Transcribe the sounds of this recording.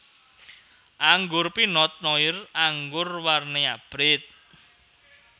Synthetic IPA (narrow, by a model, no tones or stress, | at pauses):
ʔaŋɡʊrpinɔt̪̚nɔɪraŋɡʊrwarneab̥ɾɪt̪̚